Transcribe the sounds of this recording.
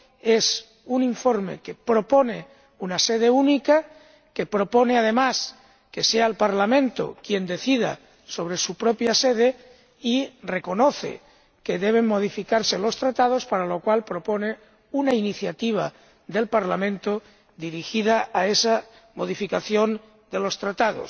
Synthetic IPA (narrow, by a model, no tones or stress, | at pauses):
es | uniɱfo̞ɾme̞̰kepɾo̞pone | unaseð̞eunika | ke̞pɾo̞po̞neað̞e̞mas | ke̞sealpaɾlamẽnt̪o̰kje̞nd̪e̞θiða̰ | so̞β̞ɾe̞supɾopjaseð̞e | ire̞ko̞noθḛ | keðeβ̞eŋmo̞ð̞ifikaɾselo̞st̪ɾat̪að̞o̞spaɾalokwalpɾo̞pone | unainiθjat̪iβ̞a̰ | ðe̞lpaɾlamẽ̞nt̪o | d̪iɾixiðaaesa | mo̞ð̞ifikaθjon | d̪elo̞st̪ɾat̪aðo̰s